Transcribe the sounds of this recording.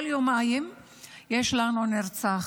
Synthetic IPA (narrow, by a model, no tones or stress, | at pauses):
ljomajim | jeʃlanuneʁt͡saχ